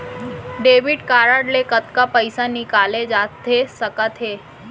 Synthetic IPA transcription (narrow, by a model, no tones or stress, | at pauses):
ɖeʋiɖkaːɾaɖlekət̪kapəjsanikaled͡ʒat̪ʰesəkat̪ʰɦe